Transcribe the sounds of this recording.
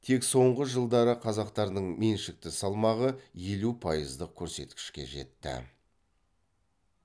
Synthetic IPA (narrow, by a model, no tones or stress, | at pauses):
t̪ʰe̞kso̞ɴʁəʒəlˠd̪ɑɾəqʰɑzɑqt̪ɑɾd̪əɴme̞nʃɪk̚t̪ɪsɑlˠmɑʁəje̞lupʰɑjəzd̪əq̚kʲʰɵɾse̞t̪kʲɪ̥ʃkʲe̞̰ʒe̞̰t̪ːɪ̰